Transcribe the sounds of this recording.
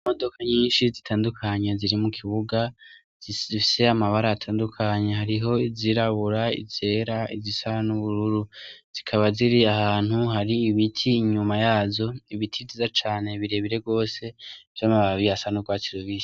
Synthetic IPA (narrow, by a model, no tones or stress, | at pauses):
mo̞do̞kʰaɲiːnʃizitʰaːndukʰaɲe̞ziɾimukʰiβuɡa | zifise̞amaβaɾaːtʰaːndukʰaɲe̞haɾiɦo̞iziɾaβuɾaḭze̞ːɾaḭzisaɾanuβuɾuɾuz̥ikʰaβaziɾiahaːn̥huɦaɾiːβitʰiːɲumajaːzo̞iβitʰizizat͡ʃaːne̞βiɾe̞βiɾe̞ɡo̞ːse̞vjomaβaβijasanuɡwaːtiɾoβiːsi̥